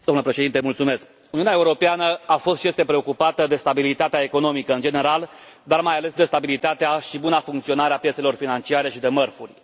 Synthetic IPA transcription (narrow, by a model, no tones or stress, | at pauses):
d̪omləpɾe̞ʃe̞d̪int̪emult̪sume̞sk | uniuneaeuɾo̞peanəafo̞st̪ʃiest̪e̞pɾe̞o̞kupat̪əd̪e̞st̪abilit̪at̪eaekono̞mikəɨnd͡ʒe̞ne̞ɾal | d̪armajale̞sd̪e̞st̪abilit̪at̪eaʃibunafuŋkt̪sio̞naɾeapjese̞lo̞rfinant͡ʃiaɾe̞ʃid̪e̞mərfurʲ